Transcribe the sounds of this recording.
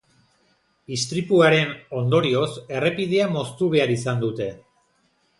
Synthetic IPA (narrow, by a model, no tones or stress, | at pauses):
ist̪ɾipuaɾe̞no̞nd̪o̞ɾio̞se̞re̞piðeamo̞st̪uβ̞e̞aɾisand̪ut̪e̞